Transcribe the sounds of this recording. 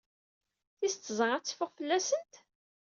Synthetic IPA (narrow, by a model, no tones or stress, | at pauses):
θist͡s̪ːzˤəʁæt͡sːfʊʁfəlːæsənt̪